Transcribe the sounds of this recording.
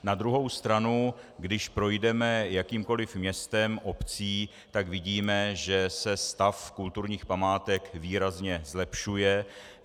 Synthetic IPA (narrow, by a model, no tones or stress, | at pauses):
nad̪ɾuɦo̞wst̪ɾanuɡdɪʃpɾo̞jdɛmɛjakiːmko̞lɪfmɲɛst̪ɛmʔo̞pt͡siː | t̪aɡvɪɟiːmɛʒɛsɛst̪afkult̪uɾɲiːxpamaːt̪ɛkviːɾazɲɛzlɛpʃujɛ